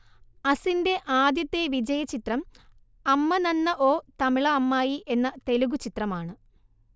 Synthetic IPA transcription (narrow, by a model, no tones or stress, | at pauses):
ɐsinde̞ʔaːd̪jɐt̪ːe̞ʋid͡ʑɐjɐt͡ɕit̪rɐm | ɐmːɐnɐnːɐʔo̞ːt̪ɐmiɭɐːmːaːjiʔe̞nːɐt̪e̞luɣut͡ɕit̪rɐmaːɳɨ